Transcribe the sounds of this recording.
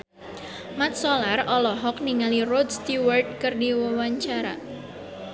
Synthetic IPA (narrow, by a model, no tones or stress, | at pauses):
mat̪̚sɔlarɔlɔɦɔk̚niŋalirɔd̪st̪iwərd̚kɨrdiwəwaɲt͡ʃaɾa̰